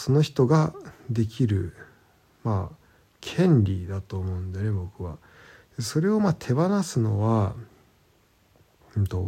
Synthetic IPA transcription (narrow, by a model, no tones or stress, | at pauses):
so̞no̞çi̥t̪o̞ɡad̪e̞kʲiɾɯ̟ | ma | kʰẽ̞ɲɾʲid̪at̪o̞ːmo̞ɯ̟̃nd̪ene̞bo̞kɯ̟βa̰ | so̞ɾe̞o̞mat̪ʰe̞banasɨno̞βa | t̪o̞